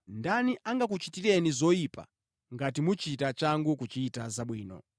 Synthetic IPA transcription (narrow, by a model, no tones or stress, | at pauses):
ndaniʔaŋɡak̬ut͡ʃitiɾɛnizɔjipa̰ | ŋɡatimut͡ʃitat͡ʃaŋɡukut͡ʃiːtazaɓwiːnɔ̰